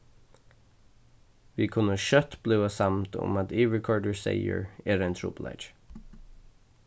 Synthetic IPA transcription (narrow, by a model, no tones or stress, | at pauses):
ʋiːkʰʉnəʃœt̪b̥lʉːɑsɑmt̪ʰʊ̰mɑt̪iːʋəkʰɔːɹɖəɹsḛɪə̰ɹeːɾeɪnt̪ʰɹʊ̰plɛ̰d͡ʒ